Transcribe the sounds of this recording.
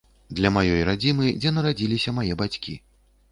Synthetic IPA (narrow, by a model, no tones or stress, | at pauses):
d̪lʲɐmajɔjɾad͡zʲimɨd͡zʲɛnɐɾad͡zʲilʲisʲɐmajɛbat͡sʲkʲḭ